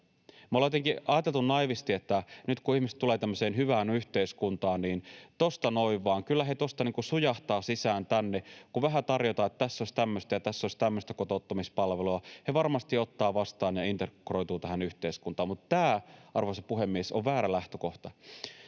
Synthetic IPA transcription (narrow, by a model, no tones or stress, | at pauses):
molejet̪eŋkiʔɑjɑt̪e̞lt̪unnɑiʋist̪iet̪ːænyt̪kuihmisĕ̥t̪t̪ule̞ːt̪æmːøseːnhyʋæːnyht̪eiskunt̪ɑːnniːnt̪ost̪ɑnoiʋːɑːŋkylːæɦe̞t̪o̞st̪ɑniːŋkusujɑht̪ɑːsisæːnt̪ænːekuʋæɦæt̪ɑrjot̪ɑːet̪ːt̪æsːosʲt̪æmːøst̪æjɑt̪æsːosʲt̪æmːøst̪ækot̪ot̪ːɑmispɑlʋeluɑheʋɑrmɑst̪iot̪ːɑːʋɑst̪ɑːnjɑint̪ekroijt̪uːt̪æɦhænyht̪eiskunt̪ɑːmmut̪t̪æːʔɑrʋosɑpuɦe̞mːiesoʋʋæːɾælæht̪øko̞ht̪ɑ